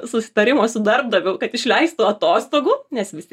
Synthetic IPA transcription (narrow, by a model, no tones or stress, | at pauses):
sʊsʲɪ̥t̪ɐɾʲɪmoːsʊd̪ɐrb̚d̪ɐʋʲɛʊkɐt̪ɪʃʲlʲɛɪst̪uɐt̪oːst̪oːɡuːnʲɛsʋʲɪsʲt̪ʲ